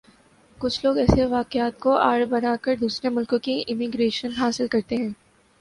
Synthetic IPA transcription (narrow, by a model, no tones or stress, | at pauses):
kʊt͡ʃʰloːɡɛːseʋaːqɪaːt̪̚koʔa̰ːɾbɐnaːkəɾd̪uːsɾemʊlkõkiʔɪmɪɡɾeːʃənɦaːsɪlkɐɾt̪eɦɛ̃ː